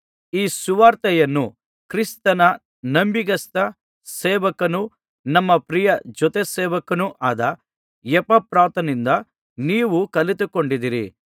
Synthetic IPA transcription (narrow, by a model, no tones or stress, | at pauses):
iːsuʋaːɾt̪ɐjɐnːu | kɾist̪ɐnɐ | nɐmbiɡɐst̪ɐ | sɛːʋɐkɐnu | nɐmːɐpɾijɐd͡ʒɔt̪ɛsɛːʋɐkɐnuʔaːd̪ɐ | jɛpɐpɾaːt̪ɐnind̪ɐ | niːʋukɐlit̪ukoɳɖid̪iɾḭ